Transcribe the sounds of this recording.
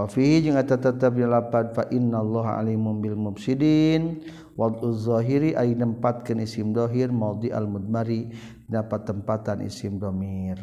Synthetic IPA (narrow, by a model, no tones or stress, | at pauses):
wafiɦid͡ʒəŋat̪ət̪ət̪əp̬̚ɲalapat̪faʔɪnːalˤːɑɦa̰limʊmbɪlmʊbsidin | wɑd̪uzːɔɦiɾiʔainəmpat̪̚kənisɪmd̪ɔɦirmad̪iʔa̰lmud̪̚maɾi | pinapat̪ːəmpat̪anʔḭsɪmd̪ɔmir